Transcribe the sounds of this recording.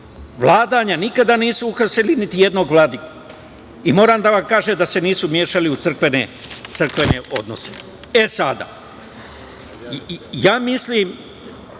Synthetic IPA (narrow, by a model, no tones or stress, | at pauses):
ʋlaːd̪aɲanikad̪aniːsuuxapselinit̪ije̞d̪no̞ɡʋlaːd̪ika | imo̞ːɾaːmd̪aʋamkaːʒemd̪ase̞niːsumje̞ːʃaliut̪sr̩kʋe̞nḛt̪sɨr̩kʋene̞ʔo̞̰d̪no̞̰se̞̰ | e̞sad̪a̰ | jaːmisliːm